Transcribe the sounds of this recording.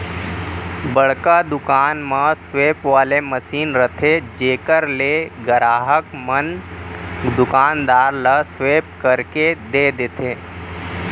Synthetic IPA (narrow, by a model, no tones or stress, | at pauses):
bəɽ̤kad̪ʊkaːnmãsʋeːpʋaːleməsiːnɾət̪ʰed͡ʒeːkəɾleɡəɾaːɦəkmən | d̪ʊkaːnd̪aːɾlasʋeːpkəɾked̪eːd̪et̪ʰeː